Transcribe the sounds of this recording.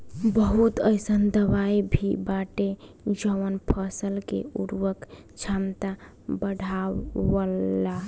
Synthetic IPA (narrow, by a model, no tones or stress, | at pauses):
bəɦut̪əɪsənd̪əʋaibʱibaʈe | d͡ʒəʋənpʰəsəlkḛuɾwək | t͡ʃʰamt̪a | bəɖʱaəlːa